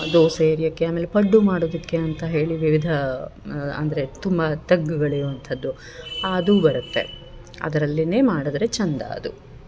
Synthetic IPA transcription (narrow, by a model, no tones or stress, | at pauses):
d̪oːseːɾijɐkːeaːmeːlepɐɖːumaːɽoːd̪ɐkːe̞ɐnt̪ɐɦe̞ːɭiʋiʋid̪ʱɐ | ɐ̰nd̪ɐɾet̪umbɐt̪ɐɡːuɡɐɭijuʋɐnt̪ʰɐd̪ːu | aːd̪ubɐɾut̪ːe̞̰ | ɐ̰d̪ɐɾɐlːine̞ːmaːɽɐd̪ɐɾe̞t͡ʃɐnd̪a̰ːd̪u